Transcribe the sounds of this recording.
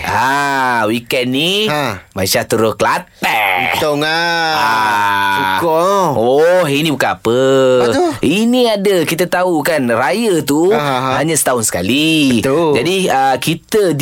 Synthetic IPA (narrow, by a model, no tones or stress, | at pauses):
ʔawikɛnːimaiʃaht̪uɾʊklat̪ɛt̪oŋəaukɔɦinibukanapə | iniadəkit̪ət̪aukanrajət̪uhaɲasə̥t̪aʊnsə̥kali | d͡ʒadiəkit̪əd